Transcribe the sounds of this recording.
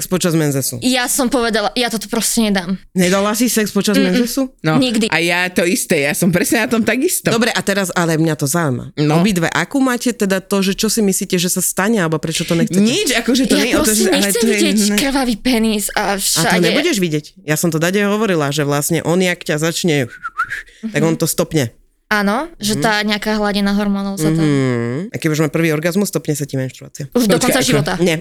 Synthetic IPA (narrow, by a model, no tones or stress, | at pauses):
kspɔt͡ʃazmɛnzɛsṵjasɔmpɔʋɛd̪alajat̪ɔt̪ɔ̥pɾɔscɛɲɛd̪aːmɲɛd̪alasisɛkspɔt͡ʃazmɛnzɛsunɔɲiɡd̪iʔajat̪ɔist̪ɛjasɔmpɾɛsɲɛnat̪ɔmt̪aɡist̪d̪ɔɔbɾɛʔat̪ɛɾazalɛmɲat̪ɔzaujma̰ɔbid̪ʋɛ̰ʔa̰kuːmaːcɛt̪ɛd̪at̪ɔʒɛt͡ʃɔsimisliːcɛʒɛsast̪aɲɛalɛbɔpɾɛt͡ʃɔt̪ɔɲɛxt͡sɛɲɛit͡ʃakɔʒɛt̪ɔɲɛɲɛlɛsɛt̪ɔjɛɛɛkr̩ʋaʋipɛniːsaʃaat̪ɔɲɛbuɟɛʒʋiɟɛcjasɔmt̪ɔd̪aɟɛɛɦɔʋɔɾilaʒɛʋlasɲɛ̰ʔɔnakcazat͡ʃɲɛ | t̪aɡɔnt̪ɔst̪ɔpɲɛ | anɔʒɛaːɲɛakaːɦlaɟinaɦɔɾmɔnɔʊzat̪akɛbiuʒmapr̩ʋiːɔɾɡazmusːt̪ɔpɲɛsacimainʃt̪ɾua̰ːt͡sɪauʒd̪ɔkɔnsaʒiɔt̪aɲɛ